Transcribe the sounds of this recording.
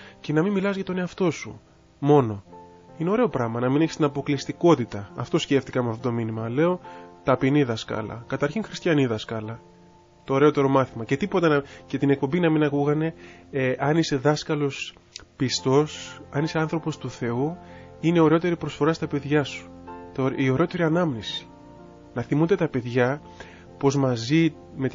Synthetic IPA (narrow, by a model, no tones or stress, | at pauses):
ce̞nɐmimːilɐzʝɐt̪o̞ne̞ɐft̪o̞sṵ | mo̞no̞ | ineo̞ɾe̞o̞pɾɐmɐnɐmineçi̥st̪inɐpo̞klist̪iko̞t̪it̪ɐːft̪o̞sce̞ft̪i̥kɐmeɐft̪ot̪o̞minimɐle̞o̞t̪ɐpiniðɐskɐ̰lɐ̰kɐt̪ɐɾçiŋxɾist̪çɐniðɐskɐlɐ | t̪o̞ːɾe̞o̞t̪e̞ɾo̞mɐθimɐce̞t̪ipo̞t̪ɐnce̞t̪ine̞k̚po̞mbinɐminɐkuɣɐne̞ʔɐnise̞ðɐskɐlos | pist̪o̞sɐniseɐnθɾo̞po̞st̪uθe̞u | ineio̞ɾeo̞t̪e̞ɾipɾo̞sfo̞ɾɐst̪ɐpe̞ðʝɐsu̥ | t̪oio̞ɾeo̞t̪e̞ɾiɐnɐmnisi̥ | nɐθimund̪e̞t̪ɐpe̞ðʝɐ | po̞zmɐzi | met̪